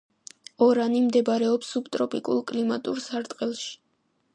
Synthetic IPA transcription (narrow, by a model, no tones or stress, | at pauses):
ɔɾanimd̪ɛbɾɛɔpsːupt̪ʼɾɔpʼikʼṵlˠkʼlimat̪ʼuɾsaɾt̪ʼqʼɛlˠʃi̥